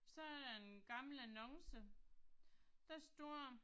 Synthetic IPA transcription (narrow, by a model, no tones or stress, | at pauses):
sɒ̽æɐd̥ɑ̈enɡ̥ɑ̈ml̩ænɒ̽ŋsə | d̥ɑ̈sd̥ɔɐ̰